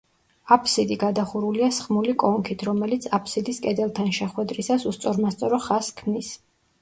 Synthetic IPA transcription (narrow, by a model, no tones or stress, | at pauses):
apʰsid̪iɡad̪aχuɾuliasχmulikʼɔŋkʰit̪ʰɾɔmɛlit̪sʰapʰsid̪iskʼɛd̪ɛlˠt̪ʰanʃɛχwɛd̪ɾisasust̪sʼɔɾmast̪sʼɔɾɔχaskʰmnis